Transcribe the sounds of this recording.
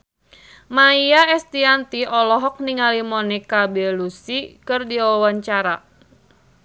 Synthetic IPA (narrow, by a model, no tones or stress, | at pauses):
maiaɛst̪iant̪iʔɔlɔɦɔk̚niŋalimɔnɛkabɛlusikɨrdiwawaɲt͡ʃaɾa